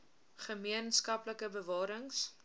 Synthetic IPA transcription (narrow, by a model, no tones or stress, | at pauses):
χəmiənskɐpləkəbəvɑːɾəŋs